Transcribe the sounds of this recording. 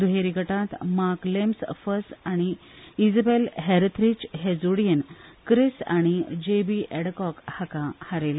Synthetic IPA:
d̪uɦeɾiɡəʈãt̪maɾklemsfəsaɽ̃iid͡zəbelɦeɾət̪ʰɾit͡ɕɦed͡zoɽijənkɾisa̰ɽ̃id͡ʑebiʔɛɽkɔkhakahaɾel

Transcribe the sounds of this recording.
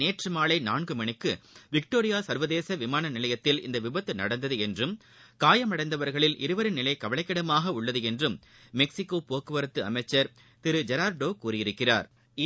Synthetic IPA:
eːʈrɯmaːɭɐɪnaːɳɡɯmɐɳɪkːɯʋɪk̚ʈoːɾɪjaːsɐɾʋɐðeːsɐʋɪmaːnɐnɪlɐjɐt̪ːɪlɪ̰nd̪ɐʋɪbɐt̪ːɯnɐ̰ɽɐnd̪ɐðɯɛndrɯm | kaːjɐmɐɽɐɪnd̪ɐʋɐɾɣɐɭɪlʔɪ̰ɾɯʋɐɾɯnɪlɐɪkɐʋɐɭɐɪkːɐɽɐmaːɣɐʊɭːɐðɯɛndrɯmː | ɛksɪkːoːpoːkːɯʋɐɾɐt̪ːɯɐmɐɪt͡ʃːɐɾ | t̪ɪɾɯd͡ʒɛɾaːɾɖoːkuːrɪjɪɾɯkːɪra̰ːɾ

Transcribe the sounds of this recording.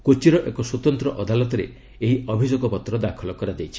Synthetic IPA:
kot͡ʃiɾɔʔekɔswot̪ɔnt̪ɾɔʔɔd̪alɔt̪ɔɾḛ | eɦiɔbʱid͡ʒoɡɔpɔt̪ɾɔd̪akʰɔlɔkɔɾad͡ʒejt͡ʃʰi̥

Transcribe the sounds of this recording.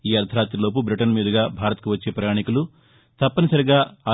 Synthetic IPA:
iːɐɾt̪ʰɐɾaːt̪ɾilo̞ːp̬ubɾiʈɐnmiːd̪ɐɡaːbʱaːɾɐt̪̚kuʋɐt͡ʃːe̞ːpɾɐjaːɳikulu | t̪ɐpːɐnisɐɾiɡaːaː

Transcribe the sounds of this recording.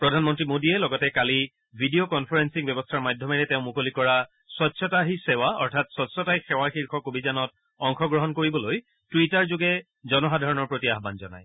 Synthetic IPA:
pɹɔdʱanmɔntɹimodiɛlɔɡɔtɛkali | bʱidiokɔnpʰaɹɛnsikbjɛbɔstʰaɹmadʱɔmɛɹɛteʊ̃mukolikɔɹa | sɔtsɔtaɦisɛwaɔ̰ɹtʰatsɔtsɔtaɦixɛwaxiɹkʰɔkobizanɔt | ɔŋxɔɡɹɔɦɔnkoɹibɔloj | twitaɹzoɡɛ | zɔnɔxadʱaɹɔnɔɹpɹotiaɦbanzɔ̰na̰j

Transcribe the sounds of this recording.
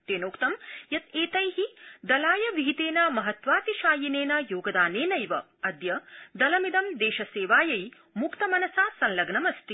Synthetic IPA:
t̪eːnoːkt̪ɐmjɐt̪eːt̪ɐjɦid̪ɐlaːjɐʋiɦit̪eːnɐmɐɦɐt̪ʋaːt̪iʃaːjineːnɐjoːɡɐd̪aːneːnɐjʋɐ | ɐd̪jɐd̪ɐlɐmid̪ɐmd̪eːʃɐseːʋaːjɐj | mukt̪ɐmɐnɐsaːsɐnlɐɡɳɐmɐst̪i

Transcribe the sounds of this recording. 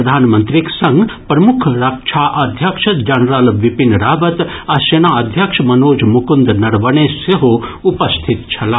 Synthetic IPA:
ɐd̪ʱaːnmɐnt̪ɾiksɐŋɡpɾɐmukʰɾɐkt͡ʃʰaʔɐd̪ʱjɐkʂɐt̪d͡ʒɐnɾɐlʋipinɾaːbɐt̪ɐsenaːɐd̪ʱjɐkʂmɐnoːd͡ʒmukund̪nɐɾʋɐɳ̃eːseɦoupɐst̪ʰit̪t͡ʃʰɐla

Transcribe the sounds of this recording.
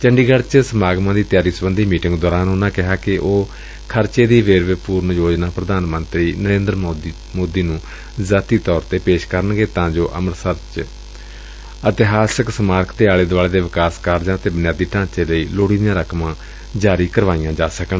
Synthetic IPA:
t͡ʃəɳɖiːɡəɽt͡ʃsəmaːɡmãːd̪iːt̪ɪjaːɾiːsəbənd̪ʱiːmiːʈɪ̃ŋɡd̪ɔːɾaːnonãːkɪɦaːkɪʔoː | kʰəɾt͡ʃeːd̪iːʋeːɾʋɪpuːɾnjoːd͡ʒnãːpɾəd̪aːnmənt̪ɾiːnəɾẽːnd̪ɾ | moːd̪iːnũː | zaːt̪iːt̪ɔːɾt̪eːpeːʃkəɾənɡeːt̪ãːd͡ʒoːʔə̰məɾsət̪t͡ʃ | ət̪ɪɦaːsɪksəmaːɾkʰd̪eːaːleːd̪ʋaːleːd̪eːʋɪkaːskaːɾd͡ʒãːət̪eːbənjaːd̪iːʈãːt͡ʃeːləiːloːɽiːd̪ɪjãːɾəkʰmãː | d͡ʒaːɾiːkəɾʋaːijãːd͡ʒaːsəknː

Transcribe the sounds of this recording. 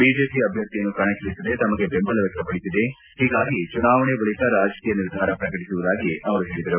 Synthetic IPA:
biːd͡ʒe̞ːpiɐbʱjɐɾt̪ijɐnːukɐɳɐkɐisid̪et̪ɐmɐɡe̞bembɐlɐʋjɐk̚t̪ɐpɐɽisid̪e | ɦiːɡaːɡit͡ʃunaːʋɐɳebɐɭit̪ɐɾaːd͡ʒɐkiːjɐniɾd̪ʱaːɾɐpɾɐkɐʈisuʋud̪aːɡiʔɐʋɐɾuɦeːɭid̪ɐɾu

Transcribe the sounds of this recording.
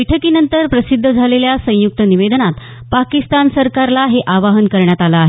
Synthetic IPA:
ʈʰəkiːnənt̪əɾpɾəsid̪ʱːəd͡zʱaleljasə̃juk̚t̪əniʋed̪ənat̪ | pakist̪ansəɾkaɾlaɦeʔaʋaɦənkəɾɳjat̪alaaɦe

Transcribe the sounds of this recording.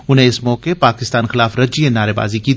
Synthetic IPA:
ʊn̤ɦẽɪsmɔːkepaːkɪst̪aːnxɪlaːfɾɐd͡ʒienaːɾeba̰ːziki

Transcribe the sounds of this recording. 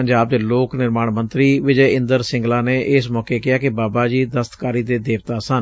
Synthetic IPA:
əɲd͡ʒaːbd̪eːloːknɪɾmaːɳmənt̪ɾiːʋɪd͡ʒeːɪ̃nd̪əɾsɪ̃ŋɡlaːneːʔɪsmɔːkeːkɪjaːkɪbaːbaːd͡ʒiːd̪əst̪kaːɾiːd̪eːd̪eːʋt̪aːsən

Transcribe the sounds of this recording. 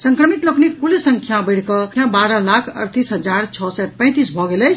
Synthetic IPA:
səŋkɾəmit̪loknikkːulesəŋkʰjabəɪɽkʌjabaɾəlakʰə̰ɾt̪isɦəd͡ʒaɾt͡ʃʰɔsɛpə̃ɪ̃t̪isbʱɔɡelət͡ʃʰ

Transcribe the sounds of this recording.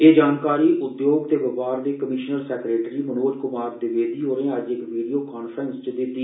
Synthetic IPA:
eːd͡ʒaːnkaːɾiːʔʊd̪joːɡt̪eːʋəpaːɾd̪eːkəmɪʃnəɾsɛːkɾeːʈɾiːmənoːd͡ʒkʊmaːɾd̪ɪʋeːd̪iːɦoːɾẽːəd͡ʒɪkʋiːɖijoːkaːnpʰɾənst͡ʃd̪ɪt̪ːiː

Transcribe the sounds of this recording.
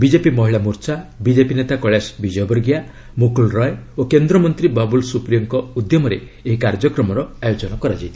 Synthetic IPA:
bid͡ʒepimɔɦiɭamuɾt͡ʃabid͡ʒepinet̪akɔɭjasbid͡ʒɔjɔbɔɾɡja | mukulɾɔjokend̪ɾɔmɔnt̪ɾibabulsupɾijɔŋkɔud̪jɔmɔɾḛ | eɦikaɾd͡ʒɔkɾɔmɔɾɔajod͡ʒɔnɔkɔɾad͡ʒajt̪ʰi̥

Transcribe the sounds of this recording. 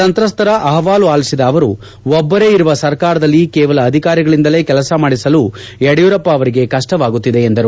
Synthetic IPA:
tɐnt̪ɾɐst̪ɐɾɐʔɐɦɐʋaːluaːlisid̪ɐːʋɐɾu | ɔbːɐɾe̞iɾuʋɐsɐɾkaːɾɐd̪ɐlːikɛːʋɐlɐːd̪ʱikaːɾiɡɐɭind̪ɐle̞ːkɛlɐsɐmaːɽisɐlu | ɛɽjuɾɐpːɐːʋɐɾiɡe̞kɐʂʈɐʋaːɡut̪ːid̪e̞ːnd̪ɐɾu

